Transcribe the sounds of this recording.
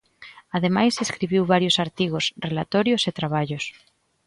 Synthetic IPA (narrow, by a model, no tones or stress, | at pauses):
aðemajseskɾiβ̞iwβaɾjosaɾt̪iɣosrelat̪oɾjoset̪ɾaβ̞aʎos